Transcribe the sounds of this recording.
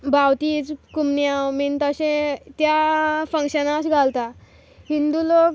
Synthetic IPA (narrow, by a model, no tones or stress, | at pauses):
bʱawt̪iːd͡zkumnjawmiːnt̪əɕẽt̪jafə̃ŋkɕənat͡sɡʱalt̪a | ɦind̪ulok